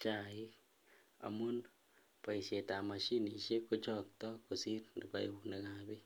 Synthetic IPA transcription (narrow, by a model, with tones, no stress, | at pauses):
t͡ʃa˨i˦ | a̰˨mu˦n | pa˨i˨ʃe˨ta˨ma˨ʃi˦ni˨ʃe˦ko˦t͡ʃɔk̚tɔ˦ku˨si˦ɾni˨pa˨i˨une˨ka˨be˦